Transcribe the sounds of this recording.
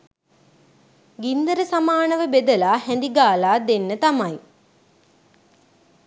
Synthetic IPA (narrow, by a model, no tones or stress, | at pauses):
ɡind̪əɾəsamaːnəʋəbed̪əlaːhɛnd̪iɡaːlaːd̪enːət̪amaj